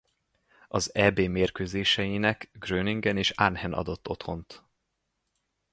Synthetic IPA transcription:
ɒzɛːbeːmeːrkøːzeːʃɛjinɛkɡrøːniŋɡɛneːʃanhɛnʔɒ̰d̪o̞t̪ːo̞t̪ho̞nt̪

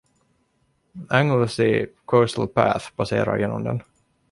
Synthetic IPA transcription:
æŋəlsɪkʰɔsəl̩pʰæ̰ːθb̥aseːɾa̰ɾjeːnːɔmd̪ɛn

